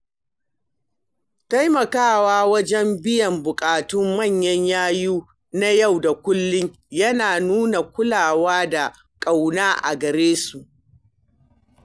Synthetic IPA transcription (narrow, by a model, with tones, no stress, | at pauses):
ta˦jmɐ˨kaː˦˨waː˦wɐ˦d͡ʒɛ˦mbɪ˦jɐ˨mbʊ˨kʼaː˨tʊ˦mːɐ˦˨ɲjɐ˦ɲjaː˦juː˦ | na˦ja˦˨wda˨kʷʊ˦lːɪ˦ɲ | jɐ˦naː˨nuː˦na˨kʷʊ˦laː˨waː˦da˨ | kʼa˨wnaː˦ʔa̰˨ɡɐ˨ɾeː˦su˨ʔ